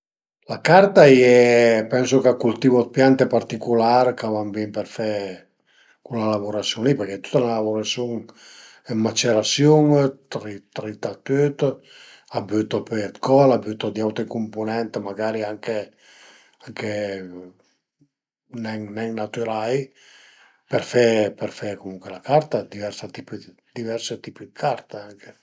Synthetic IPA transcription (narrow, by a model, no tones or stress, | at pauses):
lakaɾt̪aiɛpɛnsokakːult̪ivot̪̚pjant̪epaɾt̪ikulaɾkavambimpeɾfɛ | kulalavoɾasjuŋlipeɾkɛt̪u̥t̪ːalalavoɾasjuŋ | ɛmːat͡ʃeɾasjuŋt̪ɾit̪ɾit̪at̪yt̪ | abyt̪opɛt̪kʰɔlabyt̪od̪iawt̪ɾekumponɛnt̪maɡaːɾiaŋke | aŋke | nɛŋnɛŋnat̪yɾaj | pɛɾfɛpɛɾfɛkomuŋkwelakaɾt̪ad̪ivɛɾsat̪ipi | d̪̥ivɛɾset̪ipid̪ikʰaɾt̪aaŋke